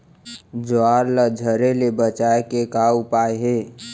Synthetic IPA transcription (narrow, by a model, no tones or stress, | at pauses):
d͡ʒoaːɾləd͡ʒʱəɾelebət͡ʃaːekekaʊpaːeɦeː